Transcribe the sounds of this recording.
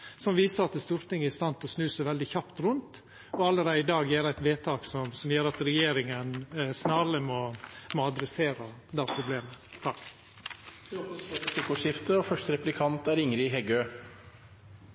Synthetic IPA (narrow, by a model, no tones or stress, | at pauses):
sɔmʋiːsəɾɑt̪̚d̪ɛst̪uːɾt̪ɪŋːəɪst̪ɑnt̪ɔsnʉːsæɪʋɛld̪ɪçɑpt̪ɾʉnt̪ | ɔɑlːəɾæɪd̪ɑːɡjeːɾæɪt̪ʋeːt̪ʰɑːksɔmsɔmjøːɾɑt̪ɾɛjeːɾɪŋənsnɑɾəmɔmɔːɑd̪ɾɛseːɾəd̪æpʰɾʊbleːmət̪ʰɑkː | ɾokəsfɔtɛt̪ɪkʊʂɪft̪əɔfœʂʈəɾɛplɪkʰɑnt̪æɾɪŋɾɪɦɛɡøː